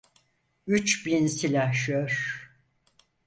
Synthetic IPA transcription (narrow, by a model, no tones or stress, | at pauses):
yt͡ʃbinsilʲaʃøɾ̥